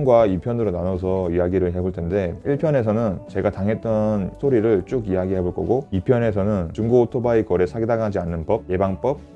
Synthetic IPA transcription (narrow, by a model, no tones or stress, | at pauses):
nɡwaipʰjʌnɯɾonanʌs̬ʰʌijaɡiɾɯɭɦe̞boɭtʰe̞nde̞iɭpʰjʌne̞sʰʌnɯnt͡ɕe̞ɡataŋɦe̞t̚t͈ʌnsʰoɾiɾɯɭt͡ɕ͈uɡijaɡiɦe̞boɭk͈ʌɡoipʰjʌne̞s̬ʰʌnɯnt͡ɕuŋɡootʰobaikʌɾe̞sʰaɡidaɡaad͡ʑianːɯnp͈ʌb̚je̞baŋp͈ʌb̚